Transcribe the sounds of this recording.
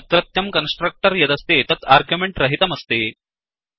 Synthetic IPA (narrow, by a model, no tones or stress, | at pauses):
t̪ɾɐt̪jɐmkɐnsʈɾɐk̚ʈəɾjɐd̪ɐst̪et̪ɐt̪ʰaɾɡjumeɳʈɾɐɦit̪ɐmɐst̪eː